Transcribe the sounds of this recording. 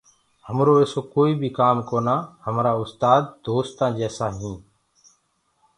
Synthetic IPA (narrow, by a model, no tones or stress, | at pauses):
həmɾoːeːsoːkoːiːbʱiːkaːmkoːnaːhəmɾaːʊst̪aːd̪̚ːoːst̪ãːd͡ʒɛːsãːɦĩː